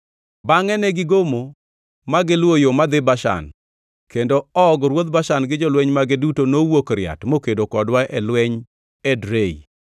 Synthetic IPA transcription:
baŋɛnɛɡɪɡomo | maɡɪlwojomad̪ɪbaʃa̰n | kendoɔɡɾwod̪̚baʃanɡɪd͡ʒɔlwɛɲmaɡɪdutonowokɾɪa̰tmokedokɔdwaʔɛlwɛɲ | ɛdɾei

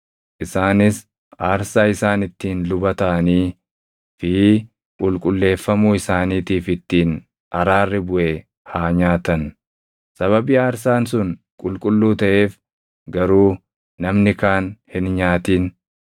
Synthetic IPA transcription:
ʔɪsaːnɪs | ʔaːɾsaːɪsaːnɪt̪ːiːnlʊbɐt̪ɐʔɐniː | fɪ | kʼʊlkʼʊlːe̞ːfːɐmuːɪsaːniːt̪iːfɪt̪ːiːn | ʔɐɾaːrːɪbʊʔe | haːɲaːt̪ɐn | sɐβɐbiːaːɾs̬aːnsʊn | kʼʊlkʼʊlːuːt̪ɐʔe̞ːf | ɡɐɾuː | nɐmnɪkaːnhɪnɲaːt̪iːn

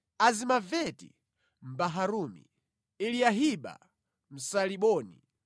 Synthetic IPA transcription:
azimavɛtḭ | m̩baɦaɾumḭ | iliaɦiɓa̰ | m̩saliɓɔːnḭ

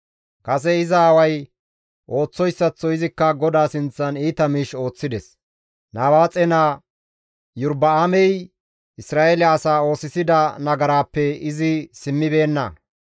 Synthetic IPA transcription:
kɐs̬ɛɪzɐːwɐj | ʔo̞ːt͡sːɔjsːɐt͡sːɔɪzɪkːɐɡɔd̪aːsɪnt͡sːɐniːt̪ɐmiːʃo̞ːt͡sːɪd̪ɛs | naːwaːt͡sʼɛnaː | jʊɾbɐamɛj | ɪsɾaːʔelɪːsaːo̞ːsɪsɪd̪ɐnɐɡɐɾaːpːɛɪzɪsɪmːɪbe̞ːnːɐ̰

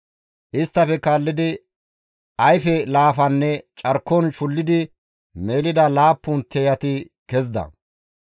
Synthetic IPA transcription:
ʔɪst̪ːɐfɛkaːlːɪd̪ɪ | ʔɐjfɛlaːfɐnːɛt͡ʃʼɐɾkːɔnʃʊlːɪd̪ɪ | me̞ːlɪd̪ɐlaːpːʊnt̪ʰɛjɐt̪ɪ | kɛzd̪ɐ̰

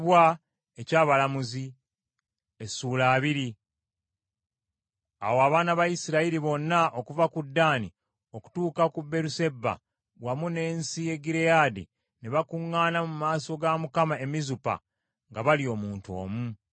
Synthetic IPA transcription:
βwa | ecaːβalamuzi | esuːlaːβiɾi | a̰woaβaːnaβajisiɾaiɾiβo̞nːaʔo̞kuvakudːaːni | o̞ku̥tuːkakubːe̞ɾuse̞bːa̰ | wamune̞ːnsie̞ɡiɾejaːdi | neβakuŋːaːnamumaːso̞ɡamukamae̞mizupa̰ | ŋɡaβalio̞ːmuːnto̞̰ːmu

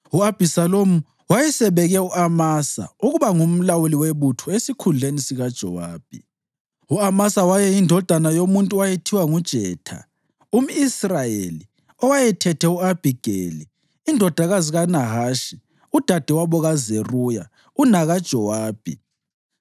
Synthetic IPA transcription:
uab̥ʱisalomu | wajɛsɛβɛɣɛuamasa̰uɣuβaŋum̩lawuliweβutʰɔesikʰunʱenisiɣad̥ʒ̥ʱɔwaːb̥ʱḭ | uamasawajɛjindʱɔd̥ʱanajomuntʼuwajetʰiwaŋud̥ʒ̥ʱɛːtʰa̰ | um̩israjeli | ɔwajɛtʰɛtʰɛuab̥ʱiɡ̥ʱḛliː | ndʱɔd̥ʱaɣaziɣanaɦaːʃi | ud̥ʱad̥ʱɛwaβɔɣazeruja | unaɣad̥ʒ̥ʱɔwaːb̥ʱḭ

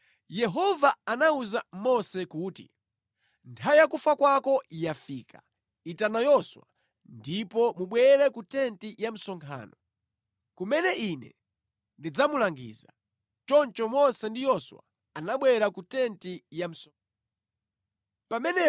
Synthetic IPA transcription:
jɛɦɔvaanauzamɔsɛkuːti | ntʰajakufakwakɔjafiːka | itanajɔswa̰ | ndipɔmuɓwɛɾɛkutɛntijam̩sɔŋkʰa̰ːnɔ | kumɛnɛinɛ̰ | ndid͡zamulaŋɡḭːza | t͡ʃɔnt͡ʃɔmɔsɛndijɔswa̰ | anaɓwɛɾakutɛntijam̩s | pamɛnɛ

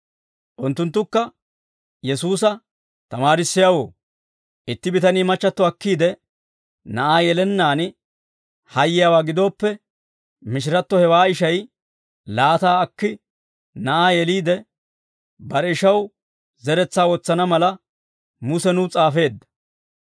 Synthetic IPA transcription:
ʔʊnt̪ːʊnt̪̬ːʊkːɐ | jɛsuːs̬ɐ | t̪ɐmaːɾɪsːɪjawo̰ː | ʔɪt̪ːɪbɪt̪ɐniːmɐt͡ʃːɐt̪ːɔɐkːiːd̪ɛ | nɐʔaːjɛlɛnːaːnɪ | hɐjːɪjaːwaːɡɪd̪o̞ːpːɛ | mɪʃ̬ɪɾɐt̪ːɔhɛwaːɪʃɐj | laːt̪aːɐkːɪ | nɐʔaːjɛliːd̪ɛ | bɐɾɛɪʃɐw | zɛɾɛt͡sːaːwɔt͡sːɐnɐmɐlɐ | mʊsɛnʊt͡sʼaːfe̞ːd̪ːɐ̥

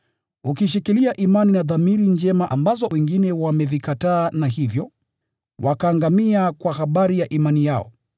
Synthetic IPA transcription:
ukiʃ̬ikiliaʔimaninaðamiɾind͡ʒɛmaʔambazɔwɛŋɡinɛwamɛvikataːnaɦivjɔ | wʔakaːŋɡamiakwahaɓaɾijaʔimanijaɔ̰

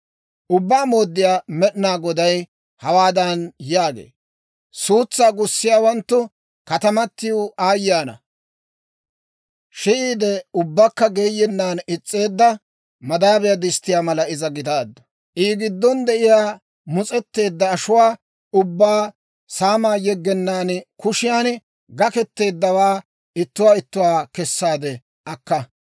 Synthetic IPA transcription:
ʔʊbːaːmo̞ːd̪ːɪjaːmɛɗnaːɡɔd̪ɐj | hɐwaːd̪ɐnjaːɡḛː | suːt͡sːaːɡʊsːɪjaːwɐnt̪ːʊ | kɐt̪ɐmɐt̪ːɪjuaːjːaːnɐ̰ | ʃɪʔiːd̪ɛʊbːɐkːɐɡeːjːɛnːaːnɪt͡sʼːe̞ːd̪ːɐ | mɐd̪aːbɛjad̪ɪst̪ːɪjaːmɐlɐɪzɐɡɪd̪aːd̪ːɐ̥ | ʔiːɡɪd̪ːɔnd̪ɛʔɪjaː | mʊt͡sʼɛt̪ːe̞ːd̪ːɐːʃʊwaː | ʊbːaː | saːmaːjɛɡːɛnːaːnkʊʃɪjaːn | ɡɐkɛt̪ːe̞ːd̪ːɐwaː | ɪt̪ːʊwaːɪt̪ːʊwaːkɛsːaːd̪ɛ | ʔɐkːɐ

